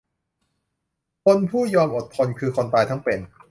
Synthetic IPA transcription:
kʰo˧npʰuː˥˩jɔː˧mʔo˨˩t̪̚pʰɔ˧nkʰɯː˧kʰo˧nt̪aː˧jt̪ʰa˥˩ŋpe˨˩n

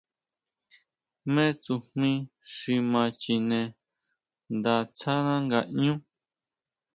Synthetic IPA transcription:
mẽ˦t͡su˧hmĩ˦ʂi˧mã˧t͡ʃi˧nẽ˧ | nd̪a˧t͡sa˦nã˦ŋɡa˧ʔɲũ˦

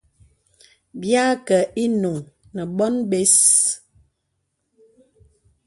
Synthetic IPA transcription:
bja˦kə˨ʔi˦nu˨ŋ | nə˨bɔ˦nbe˦s

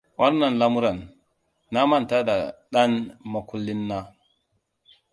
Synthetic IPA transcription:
wa˦ɾna˨nla˦mu˦ɾa˨nː | a˦ma˨n˨ta˦da˨ɗa˦nma˨ku˦lːi˦nːa˦

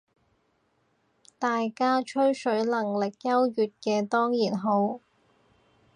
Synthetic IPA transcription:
t̪aː˨jkaː˥t͡ʃʰɵ˥ɥsɵ˨˥ɥlɐ˨˩ŋlɪ˨k̚jɐ˥wjyː˨t̚kɛː˧t̪ɔː˥ŋjiː˨˩nɦo˨˥w

